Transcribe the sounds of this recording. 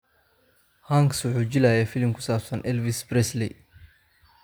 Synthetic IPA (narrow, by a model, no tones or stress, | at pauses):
hɐŋksʊħud͡ʒilaːjɛfilɪmkʰʊsaːbsɐnʔɛlvisbɾɛslɛ̰